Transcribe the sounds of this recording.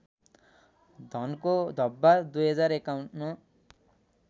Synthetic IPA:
d̪ʱʌnkod̪ʱʌbːad̪ujɦʌd͡zaɾekawɳʈmʌ

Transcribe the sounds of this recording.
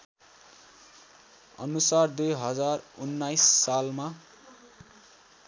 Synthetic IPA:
ʌ̰nusard̪ujɦʌd͡zarunːajsːalma

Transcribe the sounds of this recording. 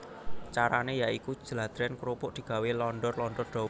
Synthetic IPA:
t͡ʃaɾanejaiku̥ʒ̥əlad̪̥ɾɛnkɾupʊʔd̪̥i̤ɡ̥a̤welɔnɖ̪ɔrlɔnd̪ɔrd̪̥ɔ̤

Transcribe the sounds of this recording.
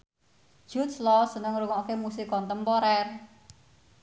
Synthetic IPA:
ʒ̥ut̪̚slɔsənəŋɾuŋɔkemusikɔnt̪əmpɔɾɛr

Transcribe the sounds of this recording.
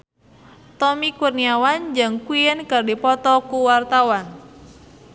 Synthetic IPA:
t̪ɔmikurniawand͡ʒɨŋkwijənkərdipɔt̪ɔkuwart̪awan

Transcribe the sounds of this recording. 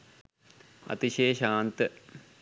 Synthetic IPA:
ɐ̰t̪iɕeːʃaːnt̪ə

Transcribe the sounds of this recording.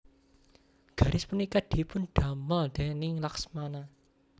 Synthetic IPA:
ɡ̥a̤ɾɪspunikad̪̥i̤pʊnɖ̥a̤məld̪̥e̤nɪŋlaksmana

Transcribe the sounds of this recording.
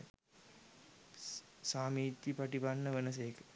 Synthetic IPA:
saːmiːt̪jipaʈibanːəʋənəs̬ejəkə̥

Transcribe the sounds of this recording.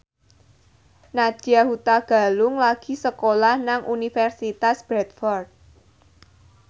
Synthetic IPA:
nad̥ahut̪aɡ̥a̤lʊŋlaɡ̥i̤səkolahnaŋʔunifɛrsit̪asb̥ɾɛt̪fɔrd̪̚

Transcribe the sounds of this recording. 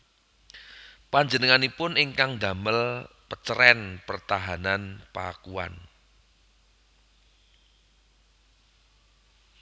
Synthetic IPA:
paɲd͡ʒənəŋanipʊnɪŋkaŋd̪a̤məlpət͡ʃəɾɛnpərt̪aɦananpa̰kua̰n

